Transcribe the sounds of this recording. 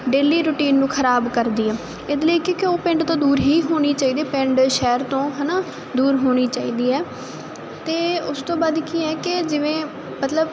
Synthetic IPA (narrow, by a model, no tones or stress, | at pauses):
ɖeːliːɾʊːʈiːnːũːkʰəɾaːbkəɾd̪iːɛː | ɪd̪ləikikɪoːpɪ̃ɳɖt̪õːd̪uːɾɦiːɦoːɽ̃iːt͡ʃaːiːd̪eːpɪ̃ɳɖʃɛːɾt̪õːɦɛːnaː | d̪uːɾɦoːɽ̃iːt͡ʃaːiːd̪iːɛː | t̪eːʊst̪õːbaːd̪kiːɛːkɪd͡ʒɪʋẽː | mət̪ləb